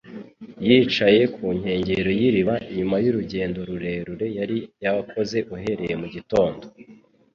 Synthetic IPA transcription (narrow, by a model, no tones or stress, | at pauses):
jiːt͡ʃaje̞kʰuɲ̥he̞ːɲɟe̞ɾo̞jiɾiβaʔiɲumajuɾuɟe̞ːndo̞ɾuɾe̞ːɾuɾe̞jaɾijaβakʰo̞ze̞ʔuɦe̞ɾe̞je̞muɟito̞ːndo